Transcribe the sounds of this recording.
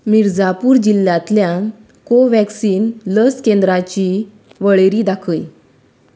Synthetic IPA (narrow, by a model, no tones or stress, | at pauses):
miɾd͡zapuːɾd͡ʑilːjãt̪ljã | koʋɛksiːnləskẽnd̪ɾat͡ɕiː | ʋəɭeɾiːd̪akʰəj